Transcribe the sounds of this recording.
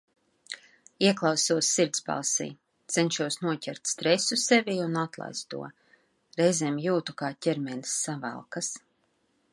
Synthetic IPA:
iɛklˠɑwsuɔsːiɾt̪sba̰lˠsḭː | t̪sɛnʃuɔsnuɔcʲɛɾt̪ʲst̪ɾɛsusɛviːunat̪lˠa̰jst̪ṵɔ | ɾɛjzeːmjuːt̪ukaːtʲɛɾmɛlʲisːavæ̰lˠkas

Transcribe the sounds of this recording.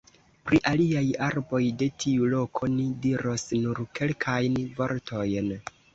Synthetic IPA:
pɾiʔaliajaɾbo̞jde̞tʰiulo̞kʰo̞nidiɾo̞snuɾke̞lkʰajnvo̞ɾtʰo̞jn

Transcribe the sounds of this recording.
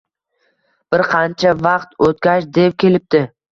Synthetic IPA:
b̥ɪɾqʰɑnt͡ʃʰavɑqt̪ot̪̚kʲaʃd̪ep̚kʲe̞lɪp̚t̪ɪ

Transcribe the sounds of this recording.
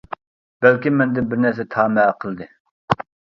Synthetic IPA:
b̥ælkʲimɛnd̪ɪnbɪɾnæɾs̬ɛt̪ʰɑːmɛqʰəlˠd̪ɨ

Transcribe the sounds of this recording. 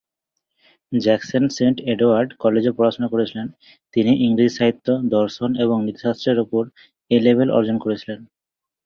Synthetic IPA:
d͡ʑɛksonseɳʈeɖoaɾɖkɔled͡ʑeɾpɾɔɾaʃonakoɾet͡ɕʰilen | t̪iniʔiŋɾid͡ʑʃaɦit̪ːod̪ɔɾʃoneβoŋnit̪i̥ʃasɾeɾupoɾ | elebʱelʔɔ̰ɾd͡ʑonkoɾet͡ɕʰilen

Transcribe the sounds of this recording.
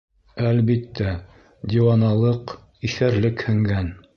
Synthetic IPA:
ælβit̪ːæ | d̪ʲiwɑnɑlˠɤq | iθæɾlɘkhɘ̆ŋɡæn

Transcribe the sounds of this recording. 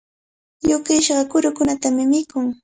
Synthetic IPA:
jʊkɪʃɢɑkʊɾʊkʊnat̪amɪmɪkʊŋ

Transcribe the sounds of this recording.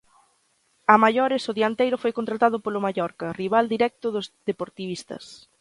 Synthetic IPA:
amaʎɔɾɪsoðiant̪ejɾʊfojkont̪ɾat̪að̞ʊpolʊmaʎɔɾkɐriβ̞ald̪iɾɛk̚t̪ʊðʊzðepoɾt̪iβist̪ɐ̰s

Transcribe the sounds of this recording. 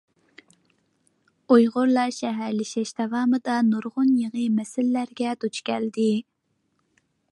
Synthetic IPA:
ojʁʊɾlˠɑʃɛɦæɾlɪʃɛʃd̪̥ɑvɑːmɨd̪ɑnuɾʁʊnjeʁɨmɛsɪlːæɾɡʲɛd̪̥ut͡ʃkʲɛld̪ɪ

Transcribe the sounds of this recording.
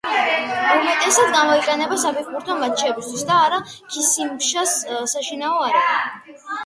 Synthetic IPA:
umɛt̪ʼɛsad̪ɡamɔiqʼɛnɛbasapʰɛɾbuɾt̪ʰɔmat͡ʃʰɛbist̪ʰwisd̪aːɾa | kʰisimpʃassaʃinaɔaɾiɔ

